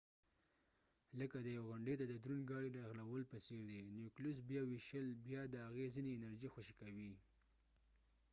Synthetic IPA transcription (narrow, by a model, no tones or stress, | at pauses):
ləkad̪əjaweɣʊɳɖet̪ad̪əd̪ɾunɡɑɽiɾɑɣlawəlpaseɾd̪enjuklus̬bjɑwiʃəlbjɑd̪əhaɣezineːnaɾd͡ʒixʊʃikawi